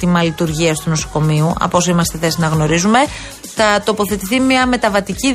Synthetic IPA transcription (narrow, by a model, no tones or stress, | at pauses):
t̪imɐlit̪uɾʝiɐst̪uno̞so̞̥ko̞miuɐ̰po̞soimɐst̪e̞θe̞sinɐɣno̞ɾizume̞ | θɐt̪o̞po̞θe̞t̪iθimɲɐme̞t̪ɐvɐt̪ici